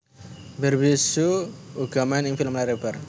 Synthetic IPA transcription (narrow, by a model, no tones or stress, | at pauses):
bərbisuuɡ̥amanɪŋfiləmlaɾebar